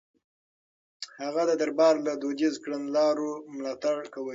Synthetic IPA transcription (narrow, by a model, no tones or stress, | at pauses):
haɣad̪əd̪aɾbɑɾlad̪od̪izkɽənlɑɾomlɑt̪aɽkawə